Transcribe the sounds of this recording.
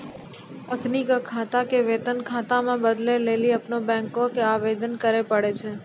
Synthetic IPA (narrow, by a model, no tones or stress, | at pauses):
əkʰnikəkʰat̪akeʋet̪ənkʰat̪amãbəd̪leleliapnobɛ̃ŋkokeaʋed̪ənkəɾepəɽet͡ʃʰe